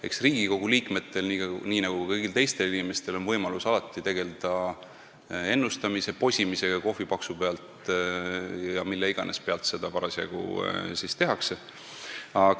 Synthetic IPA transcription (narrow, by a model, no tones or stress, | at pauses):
e̞̰ksriːɡ̥iko̞ɡ̥uliːkme̞t̪ːˑe̞lniɑniːnɑɡ̥ukɤjɡ̥ilt̪e̞jst̪e̞linime̞st̪e̞lo̞nvɤjmɑlusɑlɑt̪ːˑit̪e̞ɡ̥e̞ld̪̥ɑ | e̞nːust̪ɑmise̞po̞sʲimise̞jɑko̞fːipɑksupeɑlt̪ | jɑmilːeiɡ̥ɑnʔe̞spe̞ɑlt̪se̞d̪̥ɑpɑɾɑsjɑ̰ɡ̥ṵsist̪e̞ɦɑkse | ɑ